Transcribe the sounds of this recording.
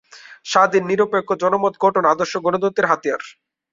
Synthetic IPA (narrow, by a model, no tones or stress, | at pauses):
ʃad̪inːiɾopekːod͡ʑɔnomot̪ɡɔʈʰonad̪oɾʃoɡonod̪ot̪ːeɾɦat̪ijaɾ